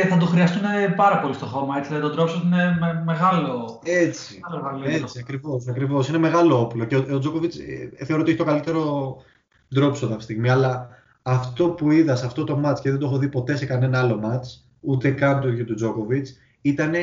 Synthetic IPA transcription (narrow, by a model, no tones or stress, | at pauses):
θɐd̪oxɾiɐst̪unepɐɾɐpo̞list̪o̞xo̞mɐet͡si̥ɐðɐt̪od̪ɾopsot̪inememeɣɐloe̞t͡si̥ɐlɐliet͡siɐkɾivo̞sɐkɾivo̞sine̞me̞ɣɐlo̞oplo̞ceood͡zo̞ko̞vit͡sθe̞oɾot̪içitokɐlit̪e̞ɾo̞ | d̪ɾo̞psoðɐft̪ist̪iɣmiɐlɐː | ft̪o̞puiðɐsɐft̪o̞t̪o̞mɐt͡sceðend̪oexoðipo̞t̪e̞se̞kɐne̞nɐɐlo̞mɐt͡s | ut̪e̞kɐnt̪uʝɐt̪ud͡zo̞ko̞vit͡s | it̪ɐne̞